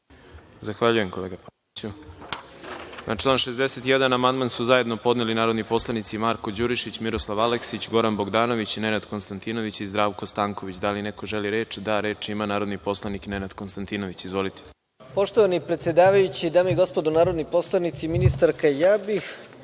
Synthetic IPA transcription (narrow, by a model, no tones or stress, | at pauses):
zaxʋaʎuje̞mkoleːɡapa | t͡ɕu | nʔaʈ͡ʂlˠaːnʃezd̪ese̞t̪ijed̪anamand̪mansuzaje̞d̪no̞po̞d̪nelinaːɾo̞d̪nipo̞slˠanit̪simaɾko̞d͡ʑuɾiʃit͡ɕmiɾo̞slˠaʋaleksit͡ɕɡo̞ɾanbo̞ɡd̪aːno̞ʋit͡ɕnenad̪ko̞nst̪ant̪ino̞ʋit͡ɕizd̪ɾaːʋkost̪aːŋkoʋit͡ɕd̪aline̞ko̞ʒeliɾe̞ːt͡ʃd̪aɾe̞ːt͡ʃimanaːɾo̞d̪nipo̞slˠaniknenad̪ko̞nst̪ant̪ino̞ʋit͡ɕizʋo̞lit̪ʰe̥ | po̞ʃt̪oʋanipɾet̪sjed̪aːʋajut͡ɕid̪aːmiɡo̞spod̪unaːɾod̪nipo̞slˠanit̪siminist̪aɾkajaːbix